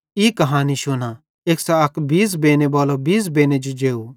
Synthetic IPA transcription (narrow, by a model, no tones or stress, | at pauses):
ikɐɦaːniʃʊna | eːksaɐkbiːs̬beːnebaːlobiːs̬beːned͡ʒod͡ʒeːo